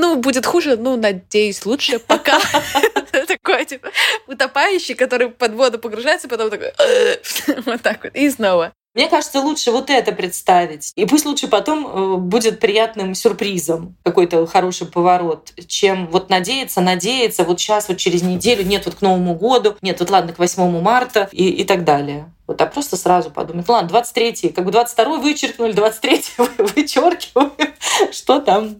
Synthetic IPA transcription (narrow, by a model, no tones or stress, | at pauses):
nubudʲɪt̪xuʐɨnunɐdʲejʊsʲlˠutʂɨpɐka | t̪ɐkojətʲipəʊt̪ɐpajʉɕːɪjkɐt̪o̞ɾɨjpɐd̪vo̞d̪ʊpəɡɾʊʐajɪt̪səpɐt̪o̞mt̪ɐko̰j | vot̪ːakot̪isno̞və | mnʲe̞kaʐɨt̪səlˠutʂɨvo̞t̪ɛt̪əpɾʲɪt̪st̪avʲɪtʲipusʲt̪ʲlˠutʂɨpɐt̪o̞məbudʲɪt̪̚pɾʲɪjat̪nɨmsʲʊrpɾʲizəmkɐko̞jt̪əxɐɾo̞ʂɨjpəvɐɾo̞t̪t͡ɕe̞mvo̞t̪nɐdʲejɪt̪sənɐdʲejɪt̪səvo̞t̪ɕasvo̞t̪̚t͡ɕɪɾʲɪzʲnʲɪdʲelʲʊnʲe̞t̪vo̞t̪kno̞vəmʊɡo̞d̪ʊnʲe̞t̪vo̞t̪lˠad̪̚nəkvɐsʲmo̞mʊmart̪ʊiɪt̪aɡd̪alʲɪjə | vot̪japɾo̞st̪əsɾazʊpɐ̰d̪uməjt̪nlˠad̪d̪vat̪sɨ̥tʲɾʲetʲjəkakbɨd̪vat̪sɨ̥tʲt̪ɐɾo̞jvɨt͡ɕːɪrknʊlʲɪd̪vat̪sɨ̥t̪ʲɾʲetʲjəvɨvɨt͡ɕorkʲɪvəjʊʂt̪o̞t̪am